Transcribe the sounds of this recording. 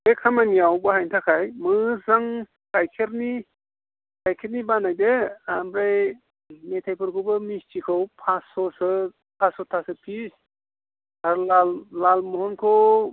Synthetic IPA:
ekʰamaniawbaɦajntʰakʰajmɯzaŋ | kajkʰeɾni | kajkʰeɾnibanajdeambɾaj | metʰajpʰɯɾkʰɯbɯmistʰikʰɯwpʰasɔsɯ | tʰasɔtʰasɯpʰis | aɾlalːalmɔɦɔnkʰɯ

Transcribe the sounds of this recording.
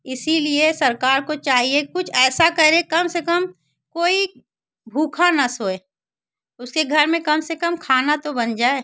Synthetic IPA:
ɪsiliesɐɾkaːɾkot͡ʃaːɦiekʊt͡ʃʰɛːsakɐɾẽkɐmsekəm | koːi | bʱuːkʰanɐsoːeː | ʊskeɡʱɐɾmẽkɐmsekəmkʰaːnat̪obɐnd͡ʒaːe

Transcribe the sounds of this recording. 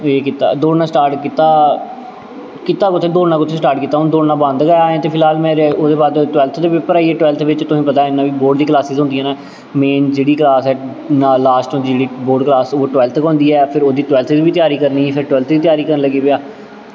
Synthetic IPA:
eːkit̪a̰ːd̪oːɽnaːsʈaːɾʈkit̪aː | kɪt̪aːkʊt̪ʰːeːd̪oːɽnãːkʊt̪ʰːeːsʈaːɾʈkiːt̪ːaːɦʊnd̪oːɽnaːbə̃nd̪ɡaːjaːɛ̃ːt̪eːpʰɪlɦaːlmɛ̃ːɾoːd̪eːbaːd̪ʈʊʋɛːlt̪ʰd̪eːʋɪpəɾaːiɛːʈʊʋɛːlt̪ʰʋɪt͡ʃt̪ʊsĩːpət̪aːɪnːãːʋiːboːɾɖd̪iːklaːsɪzɦʊ̃nd̪iːɛːnaː | meːnd͡ʒeːɽiːklaːsɛː | naːlaːsʈõːd͡ʒid͡ʒeːɽiːboːɾɖklaːsoːʈʊʋɛːlt̪ʰkɦɔ̃ːnd̪iːɛːpʰɪɾoːd̪iːt̪ʊʋɛːlt̪ʰzʋiːt̪ɪjaːɾiːkəɾniːpʰɪɾʈʊʋɛːlt̪ʰd̪iːt̪ɪjaːɾiːkəɾnːləɡiːpejaː

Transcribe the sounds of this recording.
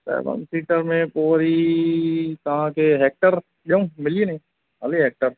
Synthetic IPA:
sɛ̰ːʋə̰msiːʈəɾmẽpoːɾi | t̪ɐɦãkeɦeːk̚ʈəɾ | ɗeũmɪlienɐĩ | ɦɐleɦeːk̚ʈəɾ

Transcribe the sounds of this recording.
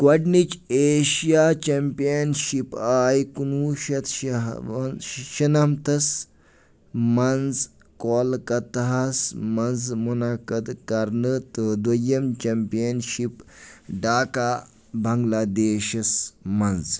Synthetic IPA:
kwɐɖnit͡ʃeːʃijaːt͡ʃɐmpijɐnʃipaːjkunuʃɐt̪ | ʃɐnɐmt̪ɐs | mɐnd͡z | koːlkɐt̪ɦasmɐnd͡zmunakɐd̪kɐɾnɨt̪ɨd̪ʋɐjɐmt͡ʃɐmpijɐnʃipɖaːkaː | bʱɐŋɡlaːd̪eːʃɐsmɐnz

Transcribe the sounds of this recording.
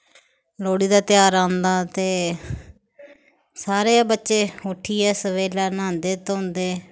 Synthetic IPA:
loːɽiːd̪aːt̪ɪjaːɾãːnd̪aːt̪eː | saːɾeːbətːʃeːoːʈʰiːɛːsəʋeːlaːnãːnd̪eːt̪õːʊnd̪eː

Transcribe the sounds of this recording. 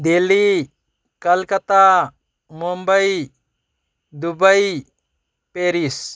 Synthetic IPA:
d̪ili | kɐlkɐt̪a | mumbəj | d̪ubəj | peɾis

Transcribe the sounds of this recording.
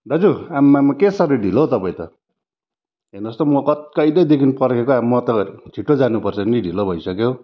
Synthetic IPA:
ɖʱʌd͡zuamːamakesʌɾiɖʱilot̪ʌpaĩt̪ʌ | ɦenʌst̪ʌmʌkʌt̪kʌjlʌjd̪ekʰinpʌrkekoamːʌt̪ʌd͡zʰʱiʈːod͡zanupʌrt͡sʰʌniɖʱilobʱʌjsʌkjow

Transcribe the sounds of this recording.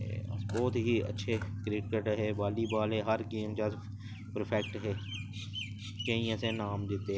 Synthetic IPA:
bɔːt̪ɦiɐ̰tːʃʰekɾɪːʈkeʈɦɛːbaːlibaːlɦɛɦɐɾkiːmt͡ʃaːs | pɾpʰɛːk̚ʈɦɛː | kɐɦĩɛːsenaːmd̪ɪt̪e

